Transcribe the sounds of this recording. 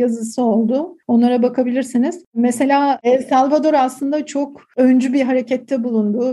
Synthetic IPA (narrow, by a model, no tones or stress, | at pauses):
jazɯsɯo̞lˠd̪ʊo̞nlˠaɾabakʰabilʲiɾsiniz̥mese̞lʲaːsalˠvad̪o̞ɾaslˠɯnd̪at͡ʃʰo̞kø̞nd͡ʒybiɦaɾe̞cʰɛt̪ːɛbulˠund̪u